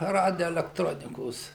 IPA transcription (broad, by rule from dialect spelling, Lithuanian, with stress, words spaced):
ˈrɑːdʲoːɛlʲɛkˈtroːnʲɪkoːs